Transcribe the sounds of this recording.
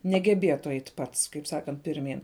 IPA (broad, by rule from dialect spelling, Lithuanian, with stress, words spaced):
nʲɛɡʲɛˈbʲeːtʊ ˈɛɪt ˈpɐts kɐɪp ˈsɑːkɐnt pʲɪrʲˈmʲiːn